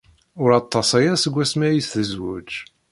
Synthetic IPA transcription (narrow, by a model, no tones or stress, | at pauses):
ʊɾɑt̪ˤːɑsæjæɾsəɡʷːæsmæjisθəzwʊd͡ʒ